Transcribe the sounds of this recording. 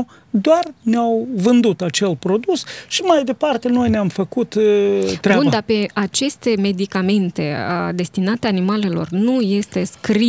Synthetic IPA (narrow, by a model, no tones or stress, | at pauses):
d̪oarneawvɨnd̪ut̪at͡ʃe̞lpɾo̞d̪usʃimajd̪e̞part̪e̞no̞jneamfəkut̪t̪ːɾund̪ape̞at͡ʃe̞st̪e̞me̞d̪ikame̞nt̪e̞d̪e̞st̪inat̪eanimale̞lo̞̰rnuje̞st̪e̞skɾi